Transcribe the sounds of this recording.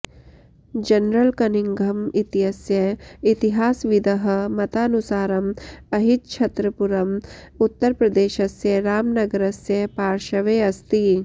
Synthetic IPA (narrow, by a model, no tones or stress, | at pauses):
d͡ʒɐnɾəlkɐniŋɡʱɐmɪt̪ɪɦɐsjɐit̪iɦaːsʋid̪ɐɦ̆mɐt̪aːnusaːɾɐmɐɦit̪̚t͡ʃʰɐt̪ɾɐpuɾɐm | ʊt̪ːəɾpɾɐd̪eːʃɐsjɐɾaːmnɐɡəɾɐsjɐpaːɾʃɐʋeːɐst̪i